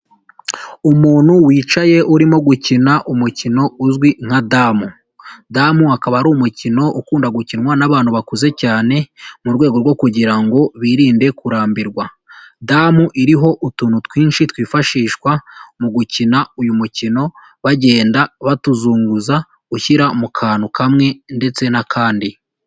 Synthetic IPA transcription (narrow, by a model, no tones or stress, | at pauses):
umuːn̥huwiːt͡ʃaje̞ʔuɾimo̞ɡucinaʔumucino̞uzɡwiŋ̥hadamu | damuakaβaɾumucino̞ʔukuːndaɡucinŋwanaβaːnhuβakuze̞caːne̞muɾɡwe̞ːɡo̞ɾɡwo̞kuɟiɾaŋɡo̞βiːɾiːnde̞kuɾaːmbiɾɡwa | damuʔiɾiɦo̞ʔutuːnutwiːnʃitwiːfaʃiːʃkwamuɡucinaujumucino̞ | βaɟe̞ːndaβatuzuːŋɡuza | uçiɾamukʰaːnukʰamŋe̞nde̞t͡se̞nakʰaːndi